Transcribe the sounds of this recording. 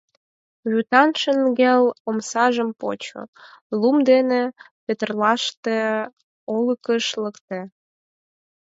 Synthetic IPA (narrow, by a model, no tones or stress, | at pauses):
βyt̪ɑnʃənɡelomsɑʒəmpo̰t͡ɕo̰lumd̪ene | pet̪ərlɑʃt̪e | oləkəʃləkt̪e